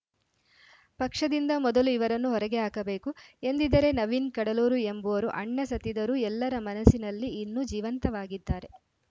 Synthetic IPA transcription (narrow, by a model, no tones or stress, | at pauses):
pɐkʂɐd̪ind̪ɐmɔd̪ɐluiʋɐɾɐnːuɦɔɾɐɡeaːkɐbe̞ːkue̞nd̪id̪ɐɾe̞nɐʋinkɐɽɐluːɾuembuʋɐɾuʔɐɳːɐsɐt̪ːid̪ɐɾuːɛlːɐɾɐmɐnɐsːinɐlːiːnːud͡ʒiːʋɐnt̪ɐʋaːɡid̪ːaːɾe̞